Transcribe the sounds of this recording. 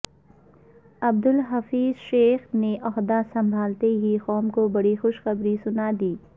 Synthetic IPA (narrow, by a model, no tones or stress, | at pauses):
ɐb̚d̪ʊlɦɐfiːzʃeːxneʔɔɦd̪asɐ̃mbʱaːlt̪eɦixɔːmkobɐɽixʊʃxɐbɾisʊnaːd̪iː